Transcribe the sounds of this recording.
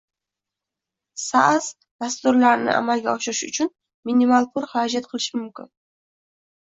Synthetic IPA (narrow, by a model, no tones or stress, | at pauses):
sa̰z̥ | d̪ast̪ʊɾlaɾnɪ̰ʔa̰malɡʲaɒʃɪɾɪʃʊ̰t͡ʃʰʊn | minimalˠpʰʊɾhaɾɒd͡ʒat̪qʰɨlˠɪʃɪmʊmkʲɪn